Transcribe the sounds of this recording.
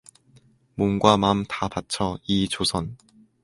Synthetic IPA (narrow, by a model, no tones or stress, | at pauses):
monɡwamamtapat͡ɕʰʌit͡ɕosʰʌn